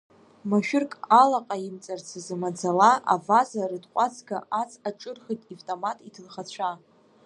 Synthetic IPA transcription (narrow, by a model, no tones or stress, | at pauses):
maʃᶣʊrkʼalaqʼajimt͡sʼart͡sʰazamad͡zalaʔa̰vazarɨdqʷʼat͡sʰɡaʔat͡sʰaʈ͡ʂʼɨrχitʼivtʼomatʼitʰɨlχat͡ɕʷʰa